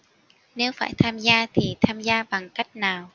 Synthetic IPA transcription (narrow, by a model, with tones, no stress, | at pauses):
ne˨˦wfaː˧˩jt̪ʰaː˧mzaː˧t̪ʰi˨˩t̪ʰaː˧mzaː˧ɓa˨˩ŋka˦˥jk̟̚naː˨˩w